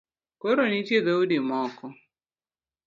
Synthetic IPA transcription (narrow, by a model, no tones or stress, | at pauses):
koɾonit͡ʃjedeudimɔkɔ